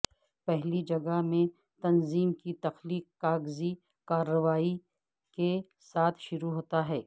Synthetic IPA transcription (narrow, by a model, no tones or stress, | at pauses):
pɛɦlid͡ʒɐɡəɦmẽ | t̪ɐnziːmkit̪ɐxliːkːaːɡzi | kaːɾːəʋaːi | ke | saːt̪ʰʃʊɾuɦoːt̪aɦɛː